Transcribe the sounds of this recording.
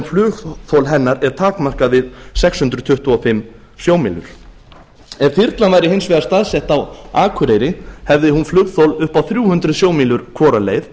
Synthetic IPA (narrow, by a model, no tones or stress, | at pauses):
nflʏːɣθowlɦɛnːaɾɛɾ̥t̪ʰaːkmar̥kaðvɪðsɛkshʏnt̪ɾʏðt̪ʰʏht̪uɔfɪmː | sjoːwmiːlʏ̰ɾ̥ | ɛv̥θiɾt̪lanvajɾɪhejnsvɛðaɾst̪aðsɛht̪awaːkʰʏɾejɾɪhɛvðɪhunflʏːɣθowlʏhpawθɾjuːhʏnt̪ɾðsjoːwmiːlʏɾ̥kʰvɔːɾalḛjθ